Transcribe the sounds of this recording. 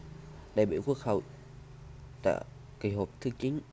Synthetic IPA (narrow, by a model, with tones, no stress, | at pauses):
ɗa˧˩jɓḭ˧˨kwu˦˥ək̚hə˨˧˩w | t̪a̰ː˧˨ | ki˧˩ɦo˨˩p̚t̪ʰɨ˧t͡ɕi˨˦ŋ̟